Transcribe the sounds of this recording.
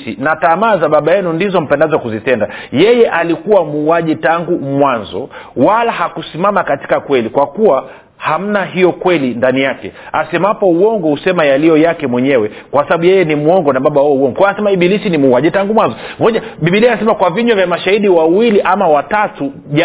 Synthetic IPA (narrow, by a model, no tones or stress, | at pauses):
sinatamaːzaɓaɓajɛnundizɔm̩pɛndazɔakuzitɛndajɛjɛʔalikuwamuːaʄitaŋɡumwanzɔ̰walahakusimamakati̥kakwɛlikwakuwa | ham̩naɦijɔkwɛlindanijakɛ̰asɛmapɔuɔŋɡɔhusɛmajalijɔjakɛmwɛɲɛwɛ | kwassaɓaɓujɛjɛnimuɔŋɡɔnaɓaɓawuɔuɔŋɡɔkɔjanasɛmaiɓilisinimuːaʄitaŋɡumwanzɔmɔʄaɓiɓilisanas̬ɛmakwaviɲɔvjamaʃahiɗiwawiliʔamawatatu | ʄa